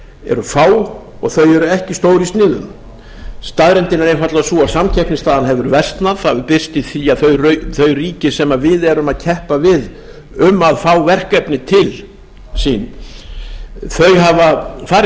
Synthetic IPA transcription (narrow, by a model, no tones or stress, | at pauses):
ɛ̰ɾʏfaːw | ɔɣθœɥɛɾʏɛhcɪst̪oːwɾɪist̪nɪːðʏn | st̪aðɾɛnt̪ɪnːaɾejnfat̪lasuasamcʰɛhpnɪst̪aːðanɦɛvʏɾvɛr̥st̪naðθapɪr̥st̪ɪθiaθœɥrœθœɥriːcɪsɛmavɪðɛɾʏmaðcʰɛhpavɪð | ʏmːaðfaːwvɛr̥kɛpnɪt̪ʰɪl | siːn | θœɥɦavafaːɾ